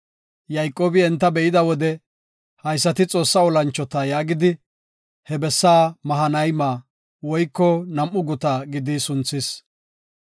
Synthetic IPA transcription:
jɐjkʼːoːbɪɛnt̪ːɐbɛʔɪd̪ɐwɔd̪ɛ | hɐjsːɐt̪ɪt͡sʼo̞ːsːɐɔlɐnt͡ʃːɔt̪ɐjaːɡɪd̪ɪ | hɛbɛsːaːmɐɦɐnɐjmaː | wɔjkːɔnɐmʔʊɡʊt̪aːɡɪd̪ɪsʊnt͡sːɪs

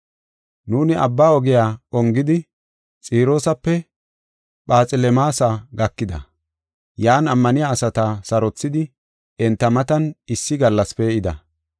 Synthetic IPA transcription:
nuːnɪʔɐbːaːɔɡɛjaːɔŋɡɪd̪ɪ | t͡sʼiːɾo̞ːsɐpːɛ | ɓaːt͡sʼɪlɛmaːsaɡɐkːɪd̪ɐ̰ | jaːnɐmːɐnɪjaːsɐt̪ɐsɐɾɔt͡sːɪd̪ɪ | ɛnt̪ːɐmɐt̪ɐnɪsːɪɡɐlːɐspeɪd̪ɐ̰

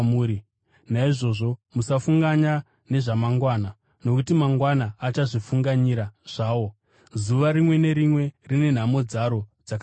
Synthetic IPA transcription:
muːɾi | naiʐo̞ʐo̞musafuŋɡaɲa | ne̞ʐamaŋɡwaːna | no̞kutimaŋɡwanaːt͡ʃaʐifuŋɡaɲiɾaʐ̥aːwo̞ | zuʋaɾimwe̞ne̞ɾimwe̞rine̞n̤amo̞d͡zaɾo̞d͡zak

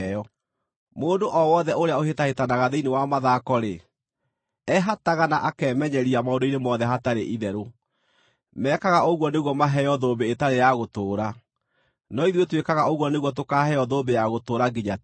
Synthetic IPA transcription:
ɔ | moːndoʔɔwɔðɛoɾeaohetahetanaɣaðeinewamaðaːkɔɾe | ɛɦataɣanaʔakɛːmɛɲɛɾiamaodoinemɔðɛɦataɾeʔiðɛɾo | mɛːkaɣaoɣwɔneɣwɔmaɦɛjɔðoːbeːtaɾejaɣotoːɾa | nɔiðwetwekaɣaoɣwɔneɣwɔt̬okaːhɛjɔðobejaɣotoːɾaɡiɲa

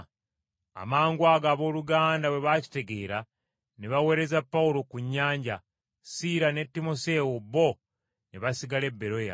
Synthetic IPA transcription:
a̰maːŋɡwaːɡaːβo̞ːluɡaːndawe̞βaci̥te̞ɡe̞ːɾa | neβawe̞ːɾe̞zapːawulo̞kuɲːaːɲɟa | siɾane̞tːimo̞se̞obːo̞ | neβasiɡale̞bːe̞ɾo̞ja̰

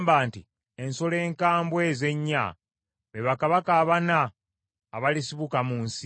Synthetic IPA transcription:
mbaːnti | enso̞le̞ːŋkaːmbwe̞ze̞ɲːa̰ | βeβakaβakaːβanaː | βalisiβukamuːnsi

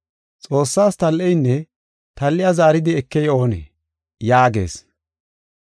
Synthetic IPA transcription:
t͡sʼo̞ːsːaːst̪ɐlːɛjnːɛ | t̪ɐlːɪjazaːɾɪd̪ɪɛkːɛjo̞ːnḛ | jaːɡḛːs

